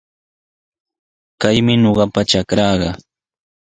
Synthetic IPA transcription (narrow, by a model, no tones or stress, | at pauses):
kajmɪɲoɢɑpaʈ͡ʂakɾɑːɢɑ